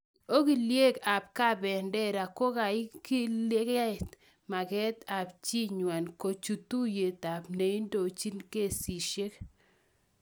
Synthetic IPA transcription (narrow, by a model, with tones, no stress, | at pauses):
o˦ki˨lje˦ka˨p̚ka˦˨bɛ˨ndɛ˦ɾa˨ko˦ka˨ɪ˦ki˦le˦kɛ˦ɪ˨t̪ | ma˨kɛ˦t̪a˨pt͡ʃi˦ɲwa˨nko˨t͡ʃu˨t̪u˦je˨t̪a˨pne˨i˦ndo˨t͡ʃi˦nke˦˨si˨ʃe˦k